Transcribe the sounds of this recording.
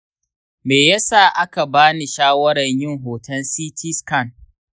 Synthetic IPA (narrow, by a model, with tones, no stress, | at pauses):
meː˨jɐ˦saː˦˨ʔa˦ka˨baː˦ni˨ʃaː˦wɐ˦ɽɐ˨ɲjɪ˦ŋɦoː˨tʰɐ˦nsiː˦tʰiː˦skɐ˦˨n